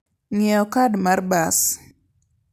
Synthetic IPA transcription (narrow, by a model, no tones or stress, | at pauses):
ŋɛɔkadmarbas